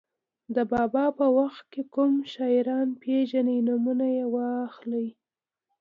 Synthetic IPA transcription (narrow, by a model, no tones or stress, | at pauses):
d̪əbɑbɑpəwaxt̪̚kekumʃɑɪɾɑnpeʒanijnumunajewɑxlij